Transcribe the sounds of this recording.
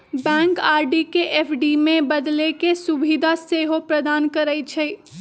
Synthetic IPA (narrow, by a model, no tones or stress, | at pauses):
bɛ̃ŋkaːɾɖikeʔepʰɖimẽbəd̪lekesubid̪ʱaseːɦopɾəd̪aːnkəɾəjt͡ʃʰə